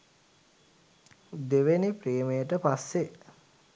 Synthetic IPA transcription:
d̪eʋenipreːməjəʈəpasːe

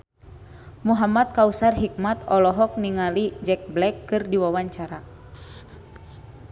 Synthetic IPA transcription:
muɦamat̪̚kausarɦik̚mat̪ɔlɔɦɔk̚niŋalid͡ʒɛk̚blɛkːɨrdiwawaɲt͡ʃaɾa

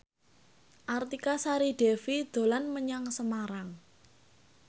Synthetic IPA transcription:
ʔart̪ikasaɾid̥ɛfid̪̥o̤lanməɲaŋsəmaɾaŋ

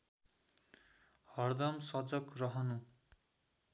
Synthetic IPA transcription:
hʌrd̪ʌmsʌd͡zʌkrʌɦʌnu

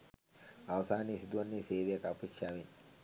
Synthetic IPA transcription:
aʋɐsaːniːsid̪uʋɐnːeːseːʋejakapeːkʂaːʋen

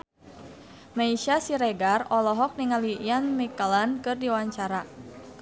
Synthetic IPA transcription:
maiʃasiɾɛɡarɔlɔɦɔk̚niŋalijanmikalankɨrdiwaɲt͡ʃaɾa

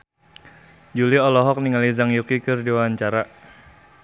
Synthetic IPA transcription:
d͡ʒuliɔlɔɦɔk̚niŋalizaŋjukikɨrdiwawaɲt͡ʃaɾa

